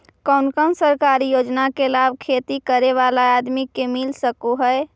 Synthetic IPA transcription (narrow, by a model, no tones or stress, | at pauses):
kənkənsəɾkaɾijod͡ʒnakelabʱkʰet̪ikəɾeʋalaad̪mikemilsəkuɦəe